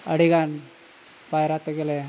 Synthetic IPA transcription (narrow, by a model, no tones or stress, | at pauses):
əɽiɡan | pajɾat̪eɡele